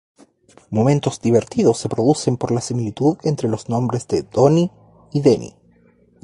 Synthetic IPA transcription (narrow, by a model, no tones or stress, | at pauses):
mo̞mẽnt̪o̞zd̪iβe̞ɾt̪iðosːe̞pɾo̞ðuse̞mpo̞ɾlasimilit̪uðe̞nt̪ɾe̞lo̞znõ̞mbɾezd̪ed̪oniː | ðenḭ